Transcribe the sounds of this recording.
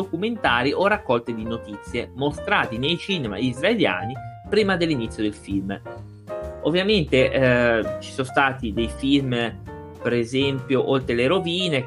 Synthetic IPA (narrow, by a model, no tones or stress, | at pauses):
okument̪aːɾiʔorːakːɔlt̪ed̪inot̪it̪sːjemost̪ɾaːt̪inejt͡ʃiːnema̰izɾaelja̰ːnipɾiːmad̪elːinit̪sjod̪elfilm | ovːjament̪eʔt͡ʃi̥sonst̪aːt̪id̪ejfilm | peɾezɛmpjoʔolt̪ɾeleɾoviːne